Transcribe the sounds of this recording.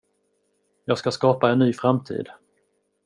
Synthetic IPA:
jɑːɡskaskɑːpaɛnːyːfɾamt̪ʰḭːd̪

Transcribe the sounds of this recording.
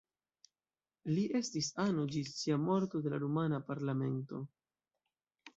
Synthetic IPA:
liʔe̞stisanod͡ʒist͡siamo̞ɾto̞de̞laɾumanapaɾlame̞nto̞̰

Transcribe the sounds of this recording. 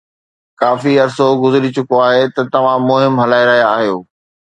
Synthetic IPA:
kaːfiɐɾsoɡʊzɪɾit͡ɕʊkoaːɦet̪ɐt̪ɐʋ̤ãmʊɦɪmɦɐlaːiɾɐɦjaːɦijoː

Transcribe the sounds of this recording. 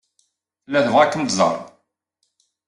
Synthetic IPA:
θlːæðəvʁækːənt̪zə̰ɾ

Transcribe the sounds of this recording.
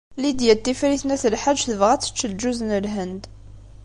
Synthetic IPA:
lid̪jæt̪ːifɾiθnæθəlħaʒθəvʁæt͡sːə̥t͡ʃːld͡ʒuznəlɦənd̪

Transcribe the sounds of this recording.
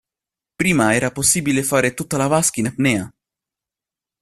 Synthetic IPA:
pɾiːmaɛɾaposibilɛfaɾɛt̪ut̪ːalavaskinapnɛja

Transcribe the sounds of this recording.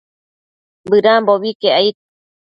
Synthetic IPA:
bɨɾamboβikeʔait̪̚

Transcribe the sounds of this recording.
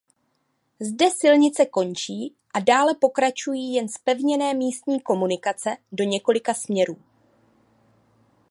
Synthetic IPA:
zdɛsɪlɲɪt͡sɛko̞nt͡ʃiː | ʔadaːlɛpo̞kɾat͡ʃujiːjɛnspɛvɲɛnɛːmiːst̪ɲiːko̞munɪkat͡sɛdoɲɛko̞lɪkasmɲɛɾuː

